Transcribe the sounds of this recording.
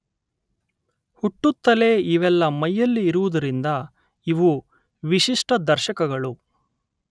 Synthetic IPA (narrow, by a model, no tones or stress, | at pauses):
huʈːut̪ːɐle̞ːiʋɛlːɐmɐjːɐlːiːɾuʋud̪ɐɾind̪ɐ | iʋu | ʋiʃiʂʈɐd̪ɐɾʃɐkɐɡɐɭu